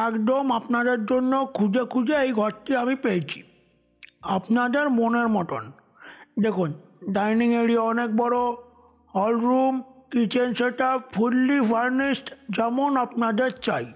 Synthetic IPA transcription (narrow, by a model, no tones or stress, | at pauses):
ɛkd̪omapnad̪eɾd͡ʑonːokʰud͡ʑekʰud͡ʑeejɡʱɔɾʈiamipejet͡ɕʰi̥ | apnad̪eɾmoneɾmɔʈo̰n | d̪ekʰun | ɖajniŋeɽieɔnek̚bɔɾo | hɔlɾumkit͡ɕʰenʃeʈafʰulːibʱaɾnisʈd͡ʑɛmonapnad̪eɾt͡ɕaj